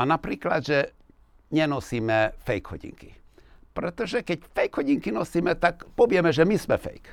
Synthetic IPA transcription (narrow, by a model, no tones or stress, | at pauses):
anapɾiːkla̰d̪ʒɛ | ɲɛnɔsiːmɛfɛjɡhɔ̰ɟḭŋkḭ | pɾɛt̪ɔʒɛkɛcfɛjɡhɔɟiŋkinɔsiːmɛt̪akpɔvɪɛmɛʒɛmismɛfɛ̰jk